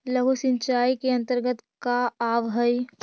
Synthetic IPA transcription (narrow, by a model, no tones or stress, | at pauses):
lɐɡusɪ̃ɲt͡ʃaːikeɐ̃nt̪əɾɡət̪kaaːʋɦəj